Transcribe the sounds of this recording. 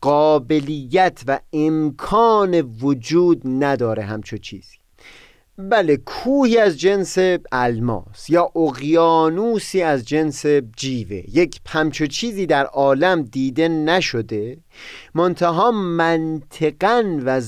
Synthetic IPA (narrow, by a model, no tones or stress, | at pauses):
ɢɒːbe̞lijːæt̪ʰvæemkʰɒːne̞vod͡ʒuːd̪næd̪ɒːɾe̞ɦæmt͡ʃʰot͡ʃʰḭːz̥i̥ː | bæle̞kʰuːhiːæzd͡ʒe̞nse̞ælmɒ̰ːsjɒːʔoɣjɒːnuːsiːæzd͡ʒe̞nse̞d͡ʒiːve̞̰jecʰphæmt͡ʃʰot͡ʃʰiːziːd̪æɾʔɒːlæmd̪iːd̪e̞næʃo̞d̪e̞ | mo̞nt̪ʰæɦɒːmænt̪ʰe̞ɡænvæ